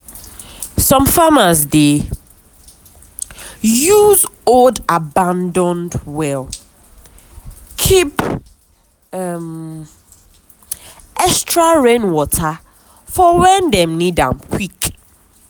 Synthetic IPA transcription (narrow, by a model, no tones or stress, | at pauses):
sɔ̃mfamasde | juzoldabãndɔ̃ndwɛl | kʰip | ɛm | ɛkstɹaɹẽnwɔtʰa | fɔwɛ̃ndɛ̃mnidã̰mkʰwik